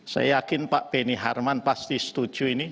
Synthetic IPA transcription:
sa̰jakɪnpaʔpeniɦarmanpast̪ist̪ud̥ʒ̥uini

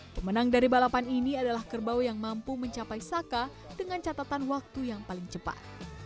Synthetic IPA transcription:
pəmənaŋdaɾibalapaniniadalahkərbawjaŋmampuməɲt͡ʃapajsaka | dəŋant͡ʃat̪at̪anwak̚t̪ujaŋpalɪŋt͡ʃəpa̰t̪̚

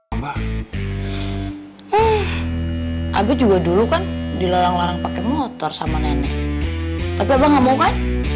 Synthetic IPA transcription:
ba | əh | ʔa̰bɛd͡ʒuɡadulukandiloɾaŋlaɾaŋpakɛmɔt̪ɔrsamanenɛ̰ʔ | t̪apiabaŋamaukan

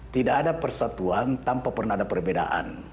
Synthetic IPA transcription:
t̪idaːdapərsat̪uant̪ampapərnaadapərbeda̰ʔa̰n

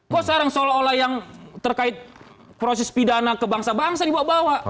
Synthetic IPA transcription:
ɡoʔsaɾaŋsolaolahjaŋt̪ərkaɪt̪̚ | pɾosɛspidanakəbaŋsabaŋsadibaabawaʔ

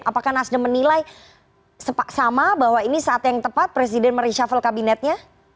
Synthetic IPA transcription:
apakahnasdəmənilaj | səpaʔsamabahwainisaːt̪jaŋt̪əpat̪̚pɾes̬idɛnməɾiʃafəlkabinɛt̪̚ɲa

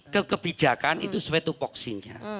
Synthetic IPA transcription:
kəkəb̥i̥d͡ʒ̥a̤kanḭt̪uswet̪upɔksiɲa̰

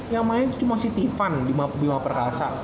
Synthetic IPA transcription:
jaŋmaɪu̥t̪umasiht̪ifandimadimapərkasa̰ʔ

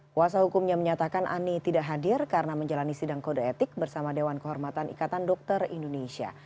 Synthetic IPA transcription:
kuas̬aɦukumɲaməɲat̪akanʔa̰nit̪idaʔɦadɪrkaɾənaməɲd͡ʒalanisidaŋkodaet̪ɪk̚bərsamadewankəɦɔrmat̪anḭkat̪andɔk̚t̪ərḭndonesia̰

